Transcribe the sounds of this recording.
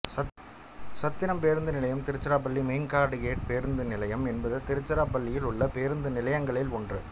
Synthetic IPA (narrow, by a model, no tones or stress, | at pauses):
ɐ | sɐt̪ːɪnɐmpeːɾɯnd̪ɯnɪlɐjɐmt̪ɪɾɯt͡ʃːɐɾaːp̬ɐɭːimeːnkaːɾɽɯkeːʈ̚peːɾɯnd̪ɯnɪlɐjɐmɛnbɐðɯt̪ɪɾɯt͡ʃːɐɾaːpɐɭːɪjɪlʊɭːɐpeːɾɯnd̪ɯnɪlɐjɐŋɡɐɭɪlɔndrɯ̰